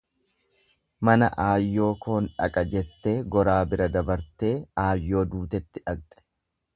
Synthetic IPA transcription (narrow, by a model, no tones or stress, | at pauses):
mɐnɐʔaːjːo̞ːkʰo̞ːnᶑɐ̰kʼɐd͡ʒɛt̪ːe̞ːɡɔɾaːbɪɾɐd̪ɐbɐɾt̪e̞ːaːjːo̞ːd̪uːt̪ɛt̪ːɪᶑɐkt̪ʼɛ̥